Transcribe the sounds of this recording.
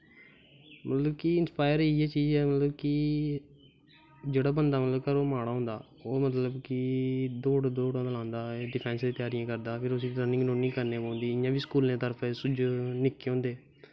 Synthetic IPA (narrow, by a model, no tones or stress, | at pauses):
mət̪ləbkɪɪnspaːɪəɾiiɛːt͡ʃiːzɛːmət̪ləbkɪ | d͡ʒeːɽaːbənd̪aːmət̪ləbkəɾoːmaːɽaːɦõːnd̪aː | oːmət̪ləbkɪd̪oːɽd̪oːɽãːd̪alãːnd̪aːɖɪpʰɛ̃ːnsd̪ẽːt̪ɪjaːɾijãːkəɾd̪aːpʰɪɾʊsiːt̪əːnɪ̃ŋɡnõːnĩːkəɾnẽːpõːnd̪iːɪjãːbiːskuːl̃ẽt̪əɾpʰɛsʊd͡ʒnɪkːeõːnd̪eː